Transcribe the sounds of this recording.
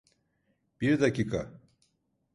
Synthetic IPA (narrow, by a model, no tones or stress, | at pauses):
b̥iɾd̪aciːkʰa